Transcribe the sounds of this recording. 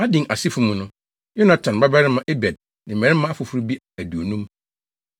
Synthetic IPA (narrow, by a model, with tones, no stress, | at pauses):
a˦dɪ̃˨ʔa˨sɪ˦fu˨˦mũ˨nʊ̃˦ | jo˦na˦tʰã˨n˨ba˦bɛ˦ɾɪ˦mã˦ʔe˦bɛ˨d̚ | nɪ̃˨mɛ̃˨ɾɪ˦mã˦a˦fʊ˨fu˦ɾi˦bi˦ | æ˨du˨o˨nũ˦m